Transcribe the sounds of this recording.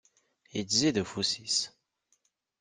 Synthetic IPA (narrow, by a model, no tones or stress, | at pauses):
id̪zid̪əfusis